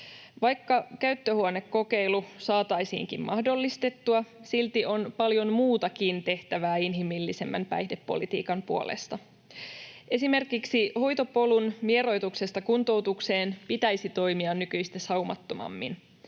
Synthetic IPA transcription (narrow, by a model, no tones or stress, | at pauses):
ʋɑjkːɑkæyt̪ːøhuone̞kːo̞ke̞jlusɑːt̪ɑjsḭːŋkḭmmɑhdo̞lːist̪e̞t̪ːuɑsilt̪io̞npɑljo̞nmuːt̪ɑkint̪e̞ht̪æʋæːinɦimilːise̞mːæ̰mpæ̰jhdepːo̞̰lit̪ḭːkɑmpuolḛst̪ɑ | ʔe̞sime̞rkiksiho̞jt̪o̞po̞lunʋie̞ɾo̞jt̪ukse̞st̪ɑkunt̪o̞wt̪ukse̞ːnpit̪æjsit̪o̞jmiɑnːykyjst̪esɑumɑ̰t̪ːo̞mɑ̰mːḭn